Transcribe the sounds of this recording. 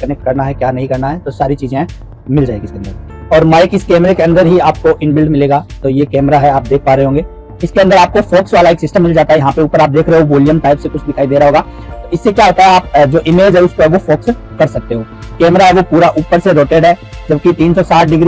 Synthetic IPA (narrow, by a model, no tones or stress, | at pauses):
kɐnɛk̚ʈ̚kɐɾnaɦɛkjaːnɐɦĩkɐɾnaɦɛt̪osaːɾit͡ʃiːzẽ | mɪld͡ʒaːeɡiɪskeɐ̃nd̪əɾ | ɔːɾmaːɪkɪskɛːmɾekeɐ̃nd̪əɾɦiaːp̚koʔɪnbɪlɖmɪleːɡaːt̪ojekɛːmɾaɦɛaːp̚d̪eːk̚ʰpaːɾɐɦẽɦõːŋɡeː | ɪskeɐnd̪əɾaːp̚kofoːksʋaːlaeːksɪsʈə̃mːɪld͡ʒaːt̪aɦɛjɐɦãpeuːpəɾaːp̚d̪eːkʰɾeɦẽʋɔːljəmʈaːɪpsekʊt͡ʃʰd̪ɪkʰaːid̪eːɾaɦoːɡaː | t̪oɪsːekjaːɦot̪aɦɛaːp̚d͡ʒoːʔɪmeːd͡ʒɦɛʊskoɦɛʋofoːks | kɐɾsɐk̚t̪eɦoː | kɛːmɾaɦɛʋopuːɾaʔuːpəɾseɾoːʈeːɖɦɛː | d͡ʒɐbkit̪iːnsɔsaːʈʰɖɪɡɾi